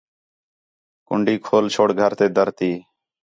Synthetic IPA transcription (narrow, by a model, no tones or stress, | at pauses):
kʊ̰ɳɖʱiːkʰoːlt͡ʃʰoːɽɡʱəɾt̪eːd̪əɾt̪iː